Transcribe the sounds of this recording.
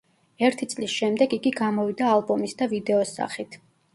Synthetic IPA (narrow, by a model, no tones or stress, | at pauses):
ɛɾt̪ʰit̪sʼlisʃɛmd̪ɛɡiɡiɡamɔvid̪aːlˠbɔmisd̪avid̪ɛɔsa̰χit̪ʰ